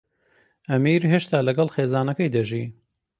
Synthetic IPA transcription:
ʔɐmiːɾɦeʃt̪aːlɐɡɐlˠxeːzaːnɐkɐjd̪ɐʒi

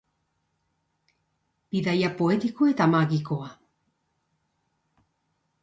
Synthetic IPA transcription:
b̥iðajapo̞et̪ikoe̞t̪amaɣikoa

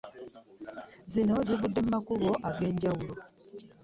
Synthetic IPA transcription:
zino̞ziβudːemumakuβo̞ʔaɡe̞ːɲɟawulo

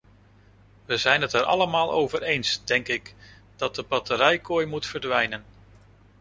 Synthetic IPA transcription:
ʋəzɛjnɦətɛɾʔɑ̰ləmaːlˠʔo̰wvəɾejnsd̥ɛŋkɪk | d̥ɑt̚dəbɑtəɾɛjkoːjmutfəɹdʋɛjnən

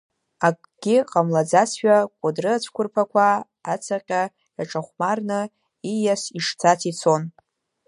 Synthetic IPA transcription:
akʼɡ̥ʲiqʼamlad͡zasʃᶣakʷʼʊdrɨat͡sʷʰkʷʰʊrpʰakʷʰaː | t͡sʰaqʲʼa | jaʈ͡ʂʼaχʷmarnɨ | ijasiʂt͡sʰat͡sʰit͡sʰo̞n

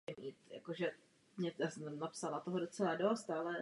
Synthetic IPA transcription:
ɛmiːt̪ja̰koʒɛ | mɲɛjaːsɛmnapsalat̪oɦodo̞t͡sɛladost̪alɛ

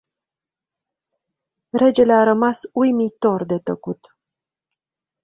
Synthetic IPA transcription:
ɾe̞d͡ʒe̞leaɾəmasujmit̪o̞rd̪e̞t̪əkut̪

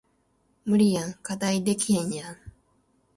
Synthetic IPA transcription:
mɯ̟ɾʲijãŋkad̪aid̪e̞kʲiɦẽɲjãŋ

